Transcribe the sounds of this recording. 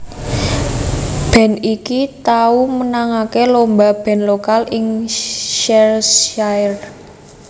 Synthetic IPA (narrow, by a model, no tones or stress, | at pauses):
b̥ɛ̤nikit̪aumənaŋakelombab̥ɛ̤nlokalɪŋʃɛrsar